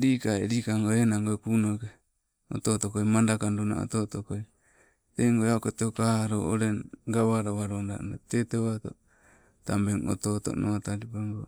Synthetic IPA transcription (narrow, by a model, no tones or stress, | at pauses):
ɾiːkaeɾiːkaŋɡoenaŋɡokunoke | o̰t̪otokojmandakanduna̰o̰tot̪okoj | teŋɡoeaokot̪eokaaɾoo̰ɾeŋɡaβaɾaβaɾonda̰nateteβat̪o̰ | tambeŋo̰t̪oto̰nʔoataɾipeŋɡo